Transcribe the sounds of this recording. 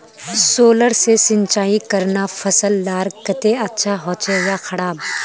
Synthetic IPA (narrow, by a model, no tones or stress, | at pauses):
soːləɾsesɪ̃nt͡ʃaːikɐɾnafɐsəlːaːɾkɐt̪eɐtːʃʰaɦɔːt͡ʃejaxɐɽaːb̚